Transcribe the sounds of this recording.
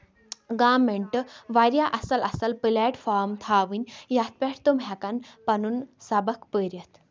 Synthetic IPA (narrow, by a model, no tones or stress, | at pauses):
ɡaːmːeɳʈəʋaɾjaʔɐsɐlɐsɐlpəlɛʈfaɾmt̪ʰaʋinʲjat̪̚ʰpʲɛʈʰt̪omɦakanpɐnunsabəkpəɾjət̪